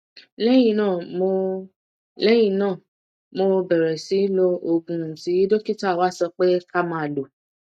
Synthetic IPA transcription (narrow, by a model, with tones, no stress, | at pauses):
lɛ˦j̃ĩ˧nãː˦˨mo˧ | lɛ˦j̃ĩ˧˨nãː˦˨ | mo˧bɛ˨ɾɛ˨si˨˦lo˧o˧ɡũ˧n̩˨ti˨˦i˦do˦ki˦ta˦˨wa˨˦sɔ˧k͡pe˦ka˦mã˦a˨lo˨